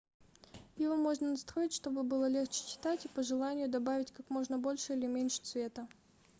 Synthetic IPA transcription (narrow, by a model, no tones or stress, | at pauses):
jɪvomo̞ʐnənɐst̪ɾo̞ɪtʲʂt̪o̞bɨbɨlˠəlʲe̞xt͡ɕɪ̥t͡ɕɪ̥t̪atʲipəʐɨlˠanʲɪjʊd̪ɐbavʲɪtʲkakmo̞ʐnəbo̞lʲʂɨilʲɪmʲenʲʂɨ̥t̪svʲe̞t̪ə